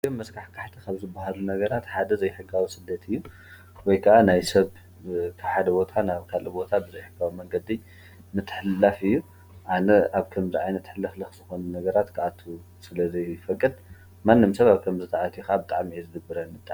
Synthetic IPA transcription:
ɡɨnmɐskʰaħkʰaħt̪ʰikʰaβzɨbːahalunɐɡɐɾat̪ħad̪ɐzɐjħɨɡːawisɨd̪ːɐt̪ʰɨjːu | wɔjkʰɐʔanajsɐβ | kʰɨħad̪ɐbo̞t̪ʰanaβkʰalʔɨbo̞t̪ʰabɨzɐjħɨɡawimɐŋɡɐd̪i | mɨt̪ʰːɨ̥ħɨlːafɨjːu | ʔanɐʔaβkʰɐmziʕajnɐt̪ħɨlːɨxlɨxz̥ɨxo̞nunɐɡɐɾat̪kʰɨʔat̪ʰu | sɨlɐzɐjfɐkʼːɨd̪ | manːɨmsɐβaβkʰɐmzɨt̪ʰaʕat̪ʰijuxabɨt̪ʼaʕmiezɨd̪ɨbɨɾɐniɨt̪ʼːa

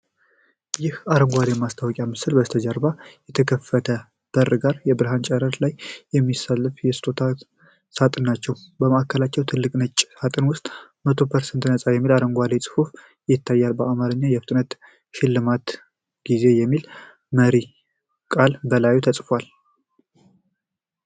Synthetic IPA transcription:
jɪhaɾəŋɡʷalemast̪ʰawɔkʼjamɨsɨlbəst̪ʰəd͡ʒəɾbajɛt̪ʰəkʰəfət̪ʰə | b̥ərɨɡaɾjɛbɨɾɦant͡ʃʼɛɾət̪lajːɛmːisalːɨfjɛsɨ̥t̪ʼot̪ʰa | sat̪ʼɨnːat͡ʃːɛwbəməʔakʰːəlat͡ʃːɛwt̪ʰɨlːɨkʼnət͡ʃʼːsat̪ʼɨnwʊst̪ʼmət̪ʰo̞pʰəɾsɛnt̪nəsʼajɛmːilaɾəŋɡʷalesʼɨ̥fuf | jɪt̪ʰːajːalbəʔamaɾɨɲːajɛfɨ̥t̪ʼɨnət̪ | ʃɪlːɨmat̪ | ɡ̥ize̞jɛmːil | məɾi | kʼalbəlajut̪ʰəsʼfwal

